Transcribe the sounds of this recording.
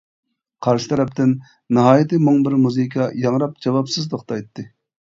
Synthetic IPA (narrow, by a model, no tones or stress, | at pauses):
qʰɑɾʃɪt̪ʰɛɾɛp̚t̪ʰɪn | nɨɦɑːjit̪ʰɨmʊŋbɪɾmuzɨkʰɑjɑŋɾɑp̚d͡ʒɑwɑpsɨzt̪ʰoχt̪ɑjt̪ʰːɨ